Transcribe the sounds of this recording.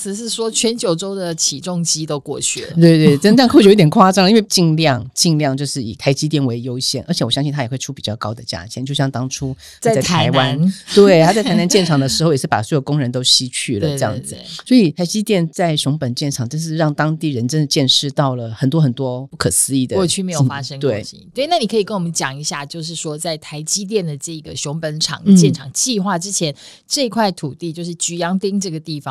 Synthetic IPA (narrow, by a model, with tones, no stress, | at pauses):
t͡sʰɹ̩˨˩ʂɻ̩˥˩ʂwɔ˥t͡ɕʰɥɛ˧˥nt͡ɕjo˨˩ʊʈ͡ʂo˥ʊd̪ə˨t͡ɕʰi˨˩ʈ͡ʂʊ˥˧ŋt͡ɕi˥t̪o˥ʊkwɔ˥˧t͡ɕʰy̰˥˩˨t̪we˥˧ɪt̪we˥˩ɪʈ͡ʂə˥n˥˧xt̪jkʰwa˥˧ʈ͡ʂɑ˥˩ŋ˨˧i˥nwɪt͡ɕi˥˧ŋljɑ˥˧ŋt͡ɕi˥˧ŋljɑ˥˧ŋt͡ɕjo˥˧ʊʂɻ̩˥˩i˨˩t̪ʰa˧˥ɪt͡ɕi˥t̪̬jɛ˥˩nwe˧ɪjo˥ʊɕjɛ˥˩nʔə˞˧˥t͡ɕʰɛ˨˩wɔ˨˩jɑ˥ŋɕi˥˧t̪ʰa˥jxwe˥˩ɪʈ͡ʂʰu˥˩pi˨˩t͡ɕjɑ˥˩ʊkɑ˥ʊd̪ə˨t͡ɕja̰˥t͡ɕʰɛ˧˦nt͡ɕjo˥˧ʊɕjɑ˥˧ŋt̪ɑ˥ŋʈ͡ʂʰu˥ | a˥˩˥ɪt̪ʰa˧˥wa˦˧˦nt̪we˥˩ɪt̪ʰa˥t͡sa˥˩t̪ʰa˧˥na˧nt͡ɕjɛ˥˩nʈ͡ʂʰɑ˨˩ŋd̪ə˩ʂɻ̩˧˥xo˥˧ʊjʂɻ̩˥˩pa̰˨˩swjkʊ˥ŋɻə˧˥nt̪o˥ʊɕi˥t͡ɕʰy˥˩lə˩ə˧jɑ̰˥˩ŋd͡zɹ̩˩swɔ˧˥i˨˩t̪ʰa˧˥ɪt͡ɕi˥t̪jɛ˥˧nt͡sa˥˩ɪɕjʊ˧˥ŋpə˨˩nt͡ɕjɛ˥˩nʈ͡ʂʰɑ˨˩ŋt͡ɕjo˥˧ʂ̬ɻ̩˥˧ɻɑ˥˩ŋt̪ɑ˥ŋt̪i˥˩ɻə˧˦nʈ͡ʂə˥nə˧t͡ɕjɛ˥˧nʂɻ̩˥˧t̪ɑ˥˩ʊlə˩xə˨˩nt̪wɔ˥xə˨˩nt̪wɔ˥pu˥˩kʰɤ˨˩sɹ̩˥i˥˩d̪ə˥˧t͡ɕʰy˥˩me˧˥ɪjo˨˩fa˥ʂə˥ŋkt̪we˥˧˩ɪɕḭ˦˥t̪we˥˩i˨na˥˩ni˨˩kʰɤ˧˥i˨˩kə˦nwɔ˨˩mə˦nt͡ɕjɑ˨˩ŋi˧˥ɕja˥˧t͡ɕjo˥˧ʊʂ̬ɻ̩˥˩ʂwɔ˥t͡sa˥˩ɪt̪ʰa˧˥ɪt͡ɕi˥t̪̬jɛ˥˩nd̪ə˩ʈ͡ʂɤ˥˩i˧˩ɡə˩ɕjʊ˧˥ŋpə˧˥nʈ͡ʂʰɑ̰˨˩ŋt͡ɕjɛ˥˩nʈ͡ʂʰɑ˨˩ŋt͡ɕi˥˧xwa˥˩ʈ͡ʂɻ̩˥t͡ɕʰjɛ˧˥n | ʈ͡ʂɤ˥˩i˧˥kʰwa˥˩ɪt̪ʰu˨˩t̪i˥˧t͡ɕjo˥˧ʊʂɻ̩˥˩t͡ɕy˧˥jɑ˥ŋt̪i˥ŋʈ͡ʂɤ˥˩ɡə˩t̪i˥˩fɑ˨˦